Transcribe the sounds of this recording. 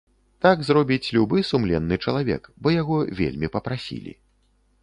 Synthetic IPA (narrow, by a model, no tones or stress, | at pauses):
t̪aɡzrɔbʲit͡sʲlʲubɨsumlʲɛnːɨt͡ʂɐlˠavʲɛ̰kbɔjaɣɔvʲḛlʲmʲipɐpɾasʲḭlʲḭ